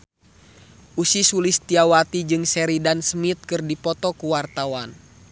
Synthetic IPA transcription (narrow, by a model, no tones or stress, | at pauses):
ʔusisulist̪iawat̪id͡ʒɨŋsɛɾidansmit̪̚kɨrdipɔt̪ɔkuwart̪awan